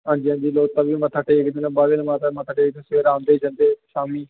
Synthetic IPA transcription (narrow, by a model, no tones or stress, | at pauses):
ãːnd͡ʒiãnd̪iːloːt̪ãːbiːmət̪ʰaːʈeːekd̪eːnãbaːlenmaːt̪ːmət̪ʰːaːʈeːkd̪ẽsʋeːɾãːnd̪eːd͡ʒãːnd̪eːʃaːmiː